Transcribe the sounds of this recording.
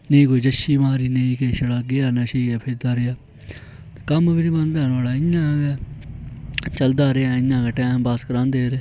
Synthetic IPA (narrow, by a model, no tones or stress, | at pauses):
neĩːkoːiːd͡ʒəʃiːmaːɾiːneĩːkeʃəɽaːɡeːaːnəʃiːɡɛːpʰɪd̪aːɾejaː | t̪ekəmbinibə̃nd̪ɛːnaːlaːɪɲãːɡɛː | t͡ʃəld̪aːɾeaːɪjãːɡɛːʈɛːmbaskəɾãːnd̪eːɾe